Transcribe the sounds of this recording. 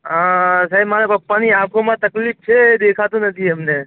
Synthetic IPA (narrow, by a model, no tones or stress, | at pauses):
ɦãsaːɦibmanepəpːaniãkʰomãt̪əklip̚t͡ʃʰed̪ekʰat̪ũnət̪ʰiɦəmne